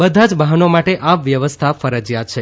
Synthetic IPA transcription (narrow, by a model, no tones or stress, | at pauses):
bəd̪ʱad͡ʒbaɦənomaʈeʔaʋʋjəʋəst̪ʰafəɾəd͡ʒjat̪t͡ʃʰe